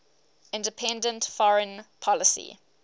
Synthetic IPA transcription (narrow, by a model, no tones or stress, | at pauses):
ɪ̃ndəpʰɛ̃ndə̃ntfɔɹə̃npʰɔləsḭ